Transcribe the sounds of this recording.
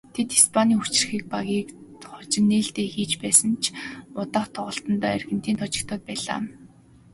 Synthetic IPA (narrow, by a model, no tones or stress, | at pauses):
t̪ʰet̪ispʰaniːut͡ɕ̆r̆xiːk̚paɣʲiːkχʊt͡ɕɪ̆nːeːɬt̪eːxiːt͡ɕpæːsə̆nt͡ɕʰʊt̪aːχt̪ʰɔʁɞ̆ɬt̪ɞ̆nt̪ɔːerɣɘ̆n̥t̪iːnt̪ʰɔt͡ɕɪ̆kt̪ʰɔːt̪̚pæːɮa̰ː